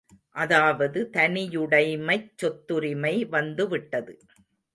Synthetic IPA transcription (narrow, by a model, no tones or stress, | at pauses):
ʔɐðaːʋɐðɯt̪ɐnɪjɯɽɐɪmɐɪt͡ʃːɔt̪ːɯɾɪmɐɪʋɐnd̪ɯʋɪʈːɐðɯ